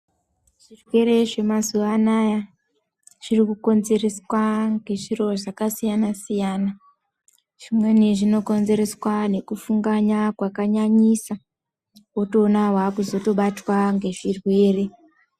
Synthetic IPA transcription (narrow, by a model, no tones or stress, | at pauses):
ʐ̥irwe̞ɾe̞ʐe̞mazuʋanaja | ʐ̥irikuko̞nze̞re̞swaŋɡe̞ʐiro̞ʐakasijanasijaːna | ʐ̥imwe̞neʐino̞ko̞nze̞ɾe̞swane̞kufuŋɡaɲakwakaɲaɲisa | oto̞ːnaɦwakuzo̞to̞ɓatwaŋɡe̞ʐirwe̞ːre̞